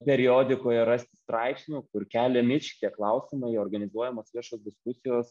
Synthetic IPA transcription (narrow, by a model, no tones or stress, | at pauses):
pʲɛɾʲɪjoːd̪ʲɪkoːjɛɾɑsʲt̪ʲɪ̥st̪ɾɐɪpsʲnʲuːkʊɾkʲæːlʲɛmʲɪt͡ʃʲt̪ʲiɛklˠɐʊsʲɪmɐɪoːrɡɐnʲɪzuɔjɛmoːsʋʲiɛʃoːsd̪ʲɪskʊsʲɪjoːs